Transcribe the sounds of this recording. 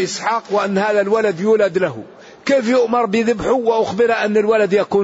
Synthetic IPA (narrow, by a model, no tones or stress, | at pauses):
ʔɪsħɑːqwɪʔanːhaːðalwalad̪juːlad̪laɦʊ̰ | keːfjʊʔmɑɾˤbɪðʊbħʊwɪʔʊxbɪɾʔanːalwalad̪jakuː